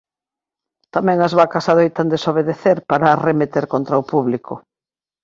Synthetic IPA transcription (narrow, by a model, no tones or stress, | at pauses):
t̪amɛ̃ŋɐzβakasaðejt̪and̪esoβ̞eðeθeɾpaɾaːremet̪eɾkont̪ɾɐopuβlikʰʊ